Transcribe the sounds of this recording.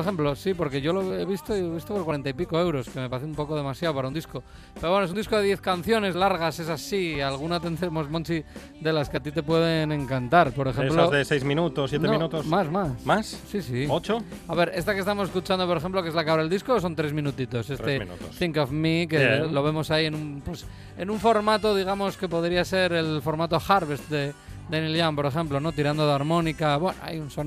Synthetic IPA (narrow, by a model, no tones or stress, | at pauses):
poɾexemplo̞sipo̞ɾke̞ʝo̞loeβist̪oioβist̪opoɾkwaɾent̪aipiko̞e̞wɾo̞skeme̞paɾeθeũmpo̞koð̞e̞masjaopaɾaund̪isko̞ | peɾoβwenosunisko̞ðe̞ðje̞θkanθjo̞ne̞zlaɾɣase̞sasialɣ̞unat̪e̞nd̪ɾemo̞zmont͡ʃi | d̪e̞laskeat̪it̪̬e̞pwe̞ð̞e̞nẽ̞ŋkant̪aɾpo̞ɾexemeploozðesejzmĩnut̪osːjeneminut̪osmasmasmasːisiot͡ʃoaβe̞ɾʔe̞̰st̪akest̪amoseskut͡ʃand̪opoɾe̞xemp̬lo̞kezlakaβɾaðeldisko̞s̬o̞nt̪ɾe̞zmĩnut̪it̪o̞se̞sɾḛnṵt̪osθiŋkofmikelo̞βe̞mo̞saie̞nũmpwe̞s | enũɱfo̞ɾmat̪o̞ð̞iɣ̞amo̞ske̞po̞ðɾiase̞ɾe̞lfo̞ɾmat̪o̞xaɾβest̪̚d̪ed̪enilʝampo̞ɾe̞xe̞mplo̞no̞t̪iɾand̪oðaɾmõ̞nikaβwe̞no̰a̰junson